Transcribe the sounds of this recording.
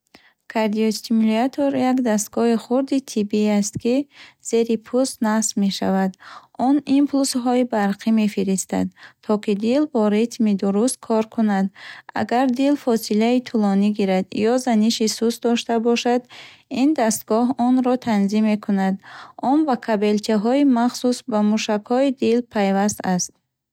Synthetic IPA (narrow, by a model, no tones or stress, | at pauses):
kʰaɾd̪iost̪ʰimliat̪ʰoɾjakd̪as̬t̪̚ɡɔhiχuɾd̪it̪ʰibiast̪kiz̥e̞ɾipʰust̪nasme̞ʃa̰vad̪ɔnimpʰlusɦɔibaɾqʰime̞fiɾist̪a̰d̪t̪ʰɔkid̪ilbɔɾit̪mid̪uɾust̪̚kʰɔɾkʰunad̪a̰ɡaɾd̪ilfɔsilait̪ʰulɔniɡiɾad̪jɔzaniʃisusd̪ɔʃt̪abɔʃad̪ind̪ast̪̚ɡɔɦɔnɾɔt̪ʰanzimːe̞kʰunad̪ɔnbakʰabe̞lt͡ʃʰaɦɔimaχsusbamuʃakhɔid̪ilpʰajvast̪ast̪